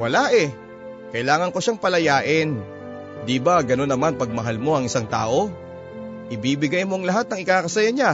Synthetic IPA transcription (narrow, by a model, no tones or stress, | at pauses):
wɐlaʔɛ | kɐʔɪlaːŋɐŋko̞ʃaŋpɐlɐjaːʔɪn | d̪ibaɡɐno̞nːɐmanpɐɡ̚mɐɦalmo̞ɐŋʔɪsaŋt̪a̰ːʔo̞ | ʔɪbiːbɪɡajmo̞ʔɐŋlɐɦat̪̚nɐŋɪkaːkɐsɐjaɲa